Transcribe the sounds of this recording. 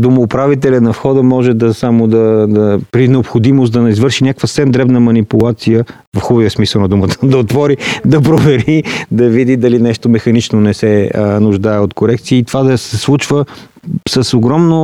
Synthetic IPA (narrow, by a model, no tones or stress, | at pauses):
d̪omoːpɾavit̪ɛlʲənɐfxɔd̪əmɔʒɛd̪ɐsamod̪ɐd̪ɐpɾinɛopxod̪imost̪d̪ɐnɐizvɤɾʃinʲakəkvəssɛmd̪ɾɛbnəmɐnipulˠat̪sijə | vɐfxubviəsmisəwˠnɐd̪umət̪ə̥d̪ɐot̪vɔɾid̪ɐpɾovɛɾid̪ɐvid̪id̪ɐlinɛʃt̪omɛxɐnit͡ʃnonɛsɛənʊʒd̪aɛot̪koɾɛkt̪siːt̪ovad̪ɐsɛslˠut͡ʃvə | səsoɡɾɔmno